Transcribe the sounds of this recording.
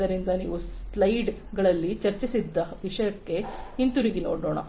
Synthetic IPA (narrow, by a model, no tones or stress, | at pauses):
ɐɾind̪ɐnḭːʋuslɐjɖɡɐɭɐlːit͡ʃɐɾt͡ʃisid̪ːɐʋiʂɐjɐkːe̞int̪uɾiɡeno̰ːɽoːɳɐ̰